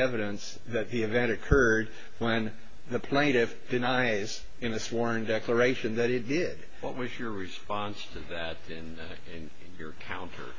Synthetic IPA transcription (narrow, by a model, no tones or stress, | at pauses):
ɛvɨɾɨ̃ns | ðɨt̪̚ðiɨvɛ̃ñɨkʰɜ˞d̚ | wə̃n | ðɨpʰl̥ẽɪ̃ɾ̃ɪfd̥ɨnaɪz | ɨ̃nɨswɔɹ̃ndɛklə˞eɪʃɨ̃nðɨɾɨt̚d̥ɪd̥ | wʌt̚wʌzjə˞ɹɨspɑ̃nstʰɨðɨɾɪ̃n | ɪ̃nɪ̃njə̰˞kʰãʊ̃ntʰə̰˞